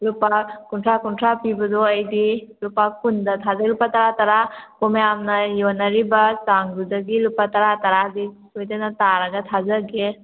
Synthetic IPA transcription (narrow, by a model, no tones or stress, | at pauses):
lupakunʈʰɾakunʈʰɾapibəd̪oəjd̪ilupakund̪ət̪ʰazɐlupat̪ɐɾat̪ɐɾakomeamnɐjonɐɾibɐssaŋɾud̪əɡilupat̪ɐɾat̪ɐɾaɦd̪i | sojt̪enɐt̪aːɾɐɡɐt̪ʰazəɡe